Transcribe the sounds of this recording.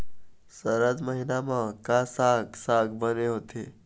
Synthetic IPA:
səɾəd͡zməɦinamãkasaɡsaɡbəneɦot̪ʰe

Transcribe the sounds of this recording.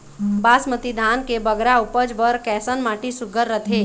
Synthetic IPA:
baːsmət̪id̪ʱaːnkebəɡɾaupəd͡ʒbəɾkɛːsənmaːʈisʊɡəɾːət̪ʰeː

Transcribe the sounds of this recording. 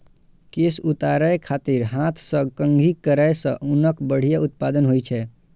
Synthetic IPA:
kesut̪aɾəekʰaːt̪iɾɦãt̪ʰsə̃kəŋɡʱikəɾəjsə̰̃ʔunəkbəɽ̤ijaʊt̪̚pad̪ənɦojt͡ʃʰɛ

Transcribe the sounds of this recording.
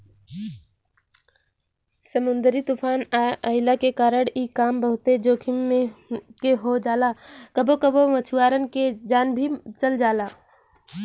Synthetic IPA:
səmʊ̃nd̪əɾit̪upʰaːnaʔəɪlakekaːɾəɽikaːmbəɦʊt̪ed͡ʒoːkʰimmẽkeɦod͡ʒaːlakəbokəbomət͡ʃʰuwaːɾənked͡ʒaːnbʱit͡ʃəld͡ʒaːlaː

